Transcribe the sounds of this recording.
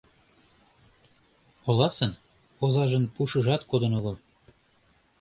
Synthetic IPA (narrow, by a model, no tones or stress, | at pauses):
olɑsən | ozɑʒənpuʃəʒɑt̪kod̪ənoɣɤ̆lˠ